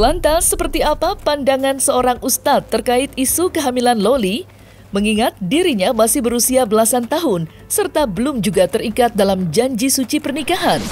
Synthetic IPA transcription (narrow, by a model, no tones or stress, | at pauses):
lant̪asəpərt̪iapapandaŋansəoɾaŋust̪at̪ːərkaɪt̪̚isukəɦamilanloli | məŋiŋat̪̚diɾiɲamasɪhbəɾusiabəlasant̪aɦʊn | sərt̪abəlʊmd͡ʒuɡat̪ərikat̪̚dalamd͡ʒaɲd͡ʒisut͡ʃipərnikaɦan